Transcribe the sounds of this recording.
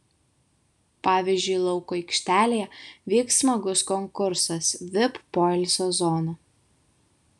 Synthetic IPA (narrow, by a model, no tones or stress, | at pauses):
pɑːʋʲiːzʲd͡ʒʲʊɪlˠɔʊkoɛɪkʃʲt̪ʲæːlʲejɛʋʲiːksmɐɡʊskɔŋkʊɾsɐsʋʲɪpːoːɛlʲsʲoːzɔːno